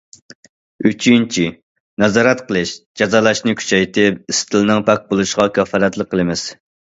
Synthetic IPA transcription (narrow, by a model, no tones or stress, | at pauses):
yt͡ʃʰynt͡ʃʰi | nɛzɑːɾɛt̪qʰəlˠɨʃd͡ʒɑzɑːlˠɑʃnɨkʲʰy̥t͡ʃʰɛjt̪ʰɪp̚ist̪ʰɨlˠnɨŋpʰɛk̚ʲbolˠuʃʁɑkʲʰɑfɑɾɛt̪lˠəq̚qʰːəlˠɨmɪz̥